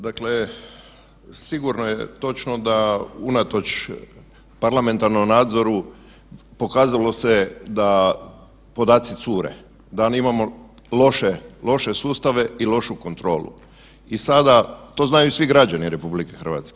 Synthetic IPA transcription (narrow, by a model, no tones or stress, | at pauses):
d̪akle | siɡuɾnojet̪o̞t͡ʃnod̪aunat̪o̞t͡ʃ | paɾlame̞nt̪aɾnomnaːd̪zo̞ɾu | po̞kaːzalo̞sed̪a | po̞d̪aːt̪sit̪suːɾḛ | d̪animamo̞ | lo̞ʃelo̞ʃesuːst̪aʋe̞ilo̞ʃuko̞nt̪ɾo̞ːlṵ | isad̪at̪o̞ːznajusʋiɡɾad͡ʒaniɾe̞publikexrʋa̰ːt̪ske